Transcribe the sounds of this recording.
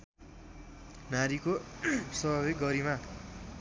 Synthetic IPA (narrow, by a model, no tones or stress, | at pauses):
naɾikosʌbʌβiɡʌɾima